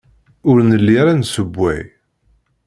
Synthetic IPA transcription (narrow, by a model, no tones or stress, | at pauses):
ʊɾnəlːiɾansəbʷːæ̰j